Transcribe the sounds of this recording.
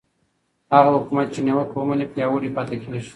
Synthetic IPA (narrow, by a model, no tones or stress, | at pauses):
haɣahʊkumat̪̚t͡ʃenewəkwomanepjɑwəɽipɑt̪ekʰeleʃ